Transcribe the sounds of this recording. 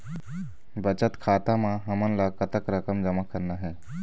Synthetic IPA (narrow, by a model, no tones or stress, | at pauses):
bət͡ʃət̪kʰat̪amãɦəmənləɡ̚kət̪əkɾəkəmd͡ʒəmakəɾnaɦɛ